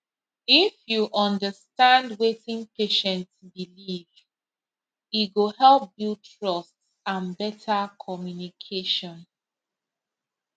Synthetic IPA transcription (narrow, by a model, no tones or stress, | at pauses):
ifjuʔɔ̃ndəstãndwetĩnpeʃɛ̃ntsbiliv | iɡohɛlp̚biltɹɔst | ãnbɛtʰakʰɔmjunikʰeʃɔ̃n